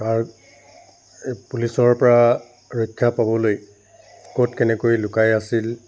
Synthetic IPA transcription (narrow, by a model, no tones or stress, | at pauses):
kaɹ | pulisɔɹpɔɹa | ɹɔjkʰːjapabɔloj | kotkɛnɛkojlʊkajasil